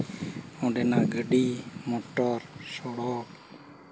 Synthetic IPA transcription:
õːɖeːnãːɡəɖiːmoːʈəɾsoːɽoːʈ

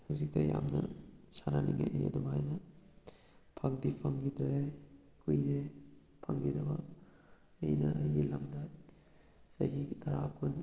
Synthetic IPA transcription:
hawzik̚tɐja̰mnɐsananiŋa̰ʔ̚nḭɐ̰dumajnɐ | pʰɐŋdipʰɐŋɡidɾej | kujɾe | pʰɐŋɡidɐbɐː | jnɐʔɐjɡilamdɐ | sa̰jɡitɐɾakʰun

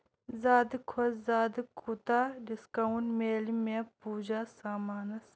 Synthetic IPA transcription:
zaːd̪ikʰoszaːd̪ikʰut̪aɖiskɐunʈmeːlimepuːd͡ʒasaːmaːnɐs

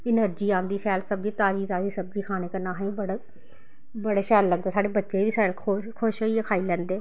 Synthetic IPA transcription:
ɪnəɾd͡ʒiːãːnd̪iːʃɛːlsəb̚d͡ʒiːt̪aːd͡ʒiːt̪aːd͡ʒiːsəb̚d͡ʒiːkʰaːneːkənaːɦẽbəɽa | bəɽeːʃɛːlːəɡd̪aːsaːɽeːbətːʃeʋiːsaɽkʰokʰoːʃɦoːiekʰaːiːlɛ̃ːnd̪eː

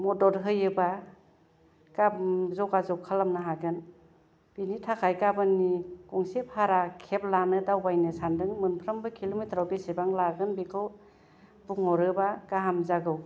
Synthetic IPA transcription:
mɔdɔɾɦɯjɯba | kapzɔkazɔkʰalamnaɦaɡɯn | b̥initʰakʰajkabɯnːikɔŋsephaɾakʰep̚lanɯdawbajnɯsandɯŋmɯnpʰɾambɯkʰilomitʰɾawbesebaŋlaɡɯnbikʰɯw | buŋɔɾɯbakaɦamzaɡɯw

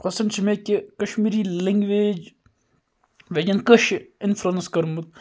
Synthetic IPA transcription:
pɐsɐnt͡ʃʰimekikɐʃmiːɾiːliŋɡʋeːd͡ʒ | ʋed͡ʒɐnkəʃɪnfɾɐnskɐɾmut̪̚

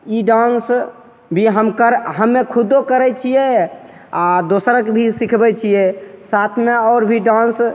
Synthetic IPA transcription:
iɖãns | bʱiɦəmkəɾɦəmːekʰud̪okəɾɛt͡ʃʰijɛ | ad̪osɾəkbʱisikʰbɛt͡ʃʰijɛsat̪ʰmeɔːɾbʱiɖãns

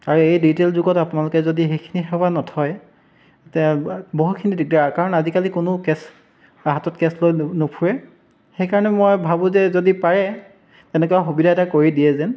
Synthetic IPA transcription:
aɹuejditelzʊɡɔtapʊnalʊkɛzodixejkʰi̥nixɛanɔtʰɔj | tɛboɦutkʰinidiɡakaɹɔnazikalikʊnʊkɛs | aɦatɔtkɛslojnopʰuɹɛ | xejkaɹɔnɛmojbʱabʊ̃zɛzodipaɹɛ | tɛnɛkɔaxubidʱaɛtakoɹidiɛzɛn

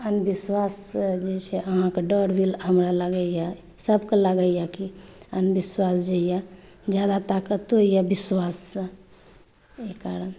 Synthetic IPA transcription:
ənbiswasd͡ʒet͡ʃʰeəɦãkeɖəɾbʱilɦəmɾaləɡəja | səbkeləɡəjakiənbiswasd͡ʒeja | d͡ʒjad̪at̪akət̪oijabiswasə̃ | ekaɾən

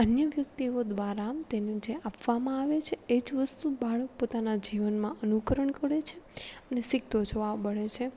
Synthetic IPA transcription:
ənjəʋjək̚t̪iod̪ʋaɾat̪ened͡ʒeʔapʋamãaʋet͡ʃʰeed͡ʒʋəst̪ubaɭək̚pot̪anad͡ʒiʋənmãʔənukəɾəɳkəɭet͡ʃʰeənesiɡ̚t̪od͡ʒoʋabəɭet͡ʃʰe

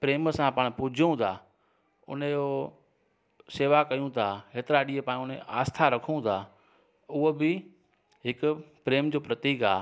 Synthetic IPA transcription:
pɾeːmsãpɐːɽ̃pʊd͡ʑʱũt̪ʰaː | ʊ̰nəjoː | seːʋakɐjũt̪ʰaːkeːt̪ɪɾaɗiːepaːñʊnḛʔaːst̪ʰaɾɐkʰũt̪ʰaː | ʊɦobɪ | ɦɪkʊpɾeːmd͡ʑoːpɾɐt̪iːkaː

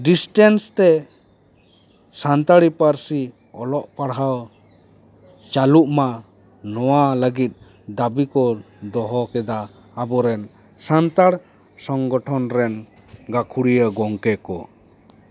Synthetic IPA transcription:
ɖisʈɛnst̪ɛ | sant̪aɽipaɾsi | ɔlɔʔpaɽɦaw | t͡ʃaluʔma | nɔwaləɡit̪̚ | d̪abikɔ | d̪ɔɦɔkɛd̪aː | bɔɾɛn | sant̪aɽ | sɔŋɡɔʈʰɔnɾɛn | ɡakʰuɽijəɡɔŋkɛkɔ̰

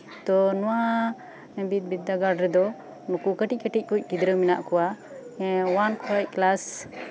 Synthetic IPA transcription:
t̪ɔnɔwa | bit̪̚bid̪ːaɡaɖɾɛd̪ɔ | nukukəʈikəʈic̚kuc̚ˀkid̪ɾəmina̰ʔkɔwa | wankʰɾaj̚klas

